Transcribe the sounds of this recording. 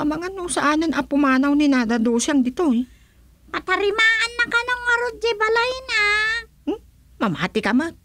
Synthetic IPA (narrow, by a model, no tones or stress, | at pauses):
ɐmɐŋanosɐʔaːnɪnʔɐpʊmaːnawnɪnad̪ad̪oːsaŋd̪ɪt̪o | pat̪ɐɾɪmaːʔanːɐkanoŋmɐɾod͡ʒɪbalajna | mɐma̰ːt̪ɪkɐma